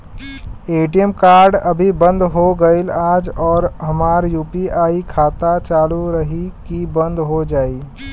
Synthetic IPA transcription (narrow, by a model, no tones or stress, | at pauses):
eːʈijəmkaːɾɖəbʱibə̃nd̪ɦoɡəɪlaːd͡ʒɔːɾɦəmaːɾjuːpiʔaːikʰaːt̪at͡ʃaːluɾəɦikibə̃nd̪ɦod͡ʒaːi